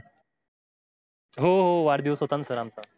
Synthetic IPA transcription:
ɦoɦoʋaɾd̪iʋəsot̪ansəɾamt͡sa

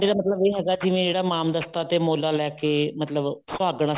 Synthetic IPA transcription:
eːɽaːmət̪ləbeːɦɛːɡaːd͡ʒiʋẽːd͡ʒeːɽaːmaːmd̪əst̪aːt̪eːmoːlaːlɛːkeːmət̪ləbsaːɡɳ̃aː

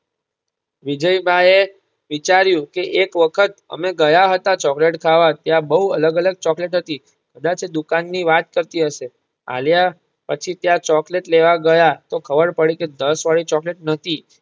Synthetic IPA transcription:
ʋid͡ʒəjbʱaje | ʋit͡ʃaɾjũkeʔekʋəkʰət̪̚ə̰meɡəjaɦət̪at͡ʃɔkleʈkʰaʋat̪jãbəɦuələɡələɡ̚t͡ʃɔkleʈɦət̪i | kəd̪at͡ʃed̪ukanːiʋat̪kəɾt̪iɦəʃe | a̰lja | pət͡ʃʰit̪jãt͡ʃɔkleʈleʋaɡəjat̪okʰəbəɾpəɽiked̪əsʋaɭit͡ʃɔkleʈ̚nət̪ʰi

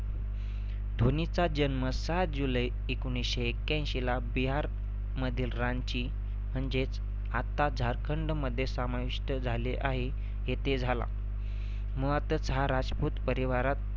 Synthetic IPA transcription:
d̪ʱonit͡sad͡ʑənməsat̪̚d͡ʑuləj | ekoñisɕeːkːjãñɕilabiɦaɾ | məd̪ʱiːlɾant͡ɕi | m̤əɳd͡ʑet͡s | at̪ad͡zʱaɾkʰəɳɖməd̪ʱːjesamaʋiʂʈəd͡zʱaleʔaɦe | jet̪ed͡zʱala̰ | məat̪ət͡səɦaɾad͡zput̪pəɾiʋaɾat̪̚

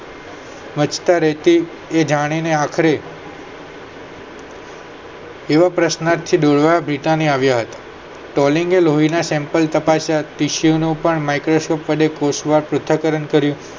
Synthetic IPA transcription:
mət͡ʃt̪aɾɛɦt̪i | ed͡ʒaɽ̃ineakʰəɾe | ʋapɾəsnaɾt̪ʰid̪oɭʋajabʱɾiʈ̪aniaʋjaɦət̪ḁ | ʈɔliŋɡeloɦinasɛ̃mpəlt̪əpasjat̪iʃjonũpəɳmajkɾoskɔpʋəɖekosʋaɾpɾʊt̪ʰːəkəɾəɳkəɾjũ

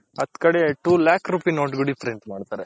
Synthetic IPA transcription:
ɐd̪kɐɽeʈuːlaːkʰɾuːpinoːʈɡuɖipʰɾeɳʈmaːɖt̪aːɾe

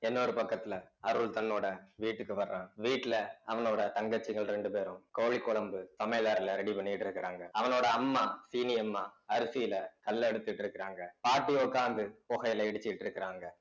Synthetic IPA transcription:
ɛnːoːɾɯpɐkːɐt̪ːɪlɐɐɾɯɭt̪ɐnːoːɽɐʋiːʈːɯkːɯʋɐɾɾãːʋiːʈːɪlɐɐʋɐnoːɽɐt̪ɐŋɡɐt͡ʃːɪŋɡɐɭɾɛɳɖɯpeːɾɯ̃mkoːɻɪkːɔɭɐmbɯsɐmɐɪlaːɾɪlɐɾɛɽipɐɳːɪjɪʈːɪɾɯkːɪɾaːŋɡɐɐʋɐnoːɽɐːmːaːsiːnɪjɐmːaːɐɾɯsijɪlɐkɐlːɛɽɯt̪ːɪʈːɪɾɯkːɪɾaːŋɡɐpaːʈːiɔkːaːnd̪ɯpɔɣɐjɪlɐɪɽɯt͡ʃːɪjɪʈːɪɾɯkːɪɾaːŋɡɐ

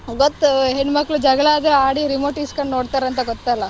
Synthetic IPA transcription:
ɡot̪ːɦeɳɖmɐkːɭud͡ʒɐɡɐɭaːd̪eaːɽiɾimoːʈiːskɐɳɖnoːɽt̪aːɾeɐnt̪ɐɡɔt̪ːajlːɐ

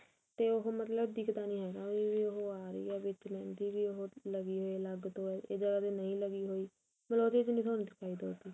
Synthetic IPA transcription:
t̪eːʊɦoːmət̪ləbd̪iːkʰd̪aːnĩːɦɛːd̪ãːiːʋiːoɦoːaːɾəḭːaːʋɪt͡ʃnɛ̃ːnd̪iːʋiːʊɦoːləɡiːɦoːiːləɡt̪õːeːd͡ʒəɡaːt̪eːnəĩːləɡiːɦoːiː | məloːt̪eːd͡ʒnĩːsʰoːnːd̪ɪkʰaːiːd̪oːt̪iː

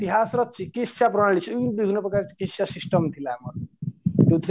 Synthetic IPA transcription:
t̪iɦasrʌt̪̚t͡sʰikesaprʌɽalit͡sʰːinbiɡʱunʌprʌkaɾi̥kesjasisʈʌmt̪ʰilamʌrt̪jot̪ʰi

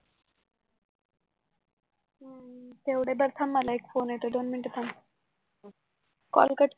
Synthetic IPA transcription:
t̪ewɽebaɾt̪ʰamːalajkfoneʈod̪onmiɳʈet̪ʰam | kɔ̰lkaʈ

